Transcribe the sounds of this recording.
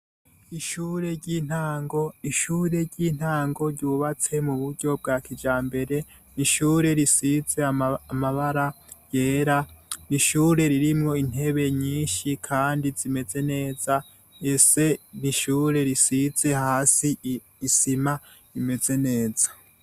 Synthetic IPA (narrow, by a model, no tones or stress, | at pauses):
iʃuːɾe̞ɾɟiːn̥haːŋɡo̞iʃuːɾe̞ɾɟiːn̥haːŋɡo̞ɾɟuːβat͡se̞muβuɾɟo̞b̚ɡaːkid͡ʒaːmbe̞ɾe̞ | niʃuːɾe̞ɾisize̞aːmaβaɾa | jeːɾaniʃuːɾe̞ɾiɾimŋo̞in̥e̞βe̞ɲiːnʃikʰaːndizime̞ze̞ne̞ːza | ese̞niʃuːɾe̞ɾisize̞haːsiː | sima | ime̞ze̞ne̞ːz̥ḁ